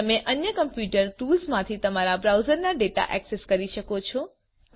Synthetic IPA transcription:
əmẽʔənjəkəmpjuʈəɾʈulzmãt̪ʰit̪əmaɾabɾawzəɾnaɖeʈa̰ʔɛkseskəɾiʃəkot͡ʃʰo

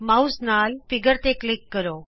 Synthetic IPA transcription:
mausnaːlfiɡəɾt̪eklikːəɾo

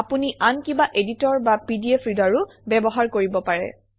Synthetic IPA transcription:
apuniʔankibaʔeditɔɹbapidiepʰɹidaɹʊ | bɛbɔɦaɹkoɹibɔpaɹɛ̰

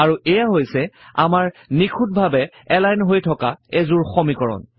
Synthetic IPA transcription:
aɹuʔɛjaɦojsɛa̰maɹnikʰut̚bʱabɛ | ɛlajnɦojtʰɔkaɛzʊɹxɔmikɔɹɔ̰n

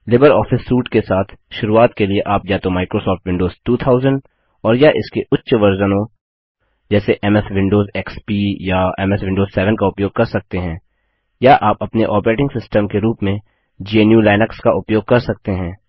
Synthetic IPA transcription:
lɪbəɾɔːfɪsɾuːʈkesaːt̪ʰʃʊɾuaːt̪kelieʔaːpjat̪omaːɪkɾoːsɔːfʈʋɪ̃ɳɖoːzʈuːt̪ʰaːʊzə̃ɳɖ | ɔːɾjaʔɪskeʊtːʃʋɐɾzənõ | d͡ʒɛːseʔɛmɛsʋɪ̃ɳɖoːzɛkspiːjaɛmɛsʋɪ̃ɳɖoːzsɛːʋənkaʊpjoːɡ̚kɐɾsɐk̚t̪eɦɛ̃ː | jaʔaːpɐpneʔɔːpɾeːʈɪ̃ŋɡsɪsʈəmkeɾuːpmẽ | d͡ʒienjuːlaːɪnəkskaʔʊpjoːɡ̚kɐɾsɐk̚t̪eɦɛ̃ː

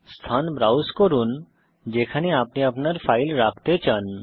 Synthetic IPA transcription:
st̪ʰanbɾawskɔɾun | d͡ʑekʰaneapniapnaɾfʰajlɾak̚ʰt̪et͡ɕan

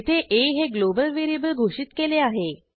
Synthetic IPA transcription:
t̪ʰeʔeɦeɡlobəlʋiɾijəbəlɡʱoʂiːt̪keleaɦe

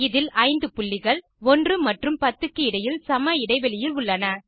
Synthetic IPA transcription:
ɪðɪlɐɪnd̪ɯpʊɭːɪɣɐɭ | ɔndrɯmɐʈrɯmpɐt̪ːɯkːɯɪɽɐjɪlsɐmɐɪɽɐɪʋɛlɪjɪlʊɭːɐnɐ

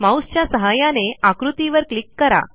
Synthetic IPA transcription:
mãwst͡ɕjasəɦajaneakɾut̪iʋəɾklikːəɾa̰

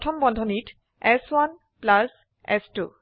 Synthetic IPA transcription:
tʰɔmbɔndʱɔnit | ɛswan | plas | ɛ̰stṵ

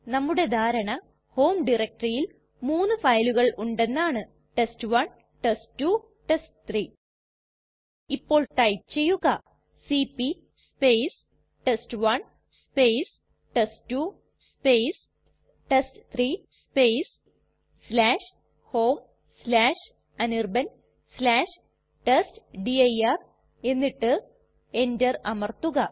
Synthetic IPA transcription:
nɐmːuɽe̞d̪ʱaːɾɐɳɐ | ho̞ːmɖirek̚ʈrijil | muːnːɨfɐjluɣɐɭʔuɳɖe̞nːaːɳɨ | ʈestɨʋɐɳ | ʈestːu | ʈestɨt̪riː | ipːo̞ːɭʈɐjt͡ɕe̞jːuɣɐ | siːpːi | spejs | ʈestɨʋɐɳ | spejs | ʈesʈːu | speːs | ʈesʈt̪ʰrispejs | slaːʂ | hoːm | slaːʂ | ɐnirbɐn | slaːʂ | ʈesʈɖiɐjɐr | e̞nːiʈːɨ | endɐrɐmɐrt̪uɣɐ

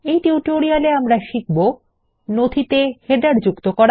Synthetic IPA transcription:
ejʈiuʈoɾialeamɾaʃik̚bo | nod̪ʱit̪eheɖaɾd͡ʑukt̪okɔɾa

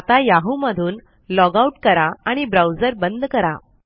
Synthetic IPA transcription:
at̪ajaɦuməd̪ʱuːn | lɔɡauʈkəɾaaɽ̃ibɾawd͡zəɾbənd̪kəɾa̰

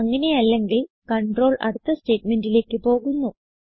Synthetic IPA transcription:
ɐŋːɐne̞jɐlːe̞ŋɡil | kɐɳɖro̞ːɭɐ̰ɽut̪ːɐste̞ːʈme̞ndile̞ːkːɨpo̞ːɣunːu

